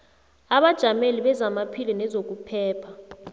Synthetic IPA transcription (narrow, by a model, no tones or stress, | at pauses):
aɓad̥ʒ̥ʱameliɓɛzamapʰilinɛzok̬ʼupʰɛːpʰa